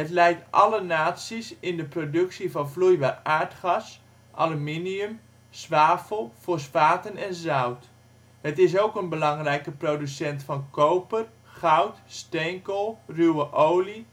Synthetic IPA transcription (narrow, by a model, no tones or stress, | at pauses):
ɦətlɛjk̚tʔɑ̰lənaːtsisɪndəprodɵksivɑnflujbaːraːɹtχɑs | ʔaluminiəm | sʋaːfəlˠfosfaːtənɛnzawt | hətɪsowkənbəlɑŋrɛjkəprowdysɛntfɑnkowpər | χʌwtstɛjŋkəlˠrywəʔowli